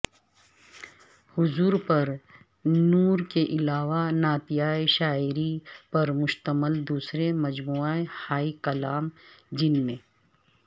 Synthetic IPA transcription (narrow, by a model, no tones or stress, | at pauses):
hʊzuːɾpɐɾ | nuːɾkeʔɪlaːʋanaːt̪ijaːeʃaːɪɾipɐɾmʊʃt̪əməld̪uːsɾemɐd͡ʒmuːaehaːikɐlaːmd͡ʒɪnmẽː